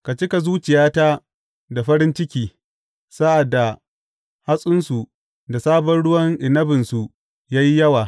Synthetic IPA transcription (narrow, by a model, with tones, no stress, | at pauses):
ka˨t͡ʃɪ˦ka˨zuː˦t͡ʃɪ˨jaː˦ta˦ | da˨ɸɐ˦ɾɪ˦nt͡ʃɪ˦kʲiː˨ | sa˦ʔa˨dːa˨ | ha˦sʼʊ˦nsu˨ | da˨saː˦bɔ˦nɽʊ˦wɐ˦ŋʔɪ˨nɐ˦bɪ˨nsu˨ | jaː˦ji˦jɐ˦waː˨